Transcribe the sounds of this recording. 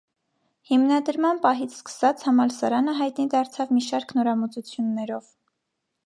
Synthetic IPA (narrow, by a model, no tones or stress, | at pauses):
himnɑd̪əɾmɑnpɑɦit͡sʰskə̥sɑt͡shɑmɑlsɑɾɑnəɦɑjt̪nid̪ɑɾt͡sʰɑvmiʃɑɾkʰnɔɾɑmut͡sut͡sʰjunːɛɾɔv̥